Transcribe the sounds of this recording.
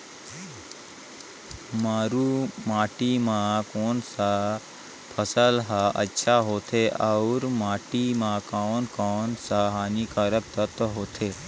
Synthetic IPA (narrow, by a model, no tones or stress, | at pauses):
maːɾuːmaːʈimãkoːnsa | pʰəsəlɦaʔə̰tːʃʰaɦoːt̪ʰeʔaʊɾmaːʈimãːkaːnkoːnsaɦaːnikaɾək̚t̪ət̪ɦoːt̪ʰeː